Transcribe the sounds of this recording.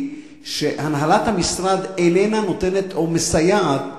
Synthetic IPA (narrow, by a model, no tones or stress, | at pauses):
ʃe̞hanɦalat̪hamisɾad̪enenano̞t̪e̞ne̞t̪ʰo̞mesajaːt̚